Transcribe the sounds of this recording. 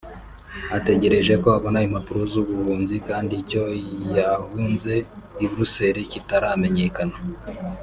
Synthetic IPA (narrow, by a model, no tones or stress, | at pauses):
ate̞ɟe̞ɾe̞ʒe̞ko̞aβo̞naimhapuɾozuβuhuːmzikaːndiːco̞jahunze̞iβɾuse̞ɾicitaɾame̞ɲe̞kana